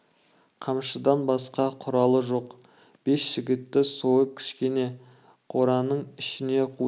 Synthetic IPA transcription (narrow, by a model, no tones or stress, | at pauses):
qʰɑmʃəd̪ɑnbɑsqɑqʰʊɾɑlˠəʒoq | b̥e̞sʒ̥ɪɡʲɪt̪ːɪsoəp̚kʲʰɪ̥ʃkʲe̞ne̞ | qʰo̞ɾɑnəɴɪʃɪne̞qʰu